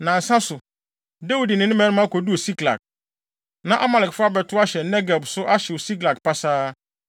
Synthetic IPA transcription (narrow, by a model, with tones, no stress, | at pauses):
nã˨n̩˨sã˦sʊ˨ | de˦wu˨di˨nɪ̃˨˦nʊ̃˦mɛ̃˦nɪ̃˦m˦ã˦ko˨du˦o˨si˦kla̰˨k̚ | nã˨ʔa˦ma˨lɪ˨kfʊ˦a˦bɛ˨tʰʊ˦a˦ɕɛ˨˦nɛ˦ɡa˨bsʊ˦ʔa˦ɕɛ˨wɔ˨si˦kla˨kpʰa˦saː˦